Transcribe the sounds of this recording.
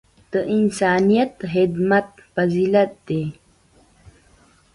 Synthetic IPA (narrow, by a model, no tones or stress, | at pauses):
d̪̥əʔɪnsɑːnijat̪ɦɪd̪mat̪̚faziːlat̪̚d̪e